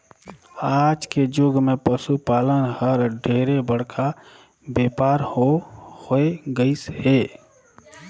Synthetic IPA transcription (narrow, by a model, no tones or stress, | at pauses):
aːd͡ʒked͡ʒʊɡmẽpəsupaːlənhəɾɖʱeːɾebəɽ̤kʰa | beːpaːɾhohoeɡəisheː